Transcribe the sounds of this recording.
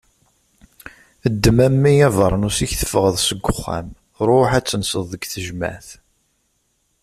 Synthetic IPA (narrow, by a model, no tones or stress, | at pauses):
əd̪ːəmæmːijævəɾˤnusiçθə̥fəʁəðˤsəɡʷʊχːæ̰m | ɾˤoħæt͡sːənsəðˤəɡθəʒmæ̰θ